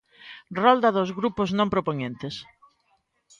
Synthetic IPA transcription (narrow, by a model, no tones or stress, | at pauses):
rɔld̪ɐðozɣɾupʊznõmpɾopoɲẽnt̪es